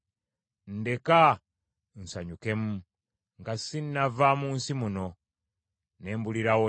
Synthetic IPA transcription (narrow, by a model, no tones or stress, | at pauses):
n̩de̞ka | n̩saɲuke̞mu | ŋɡasinnavamuːnsimuno̞ | neːmbuliɾawo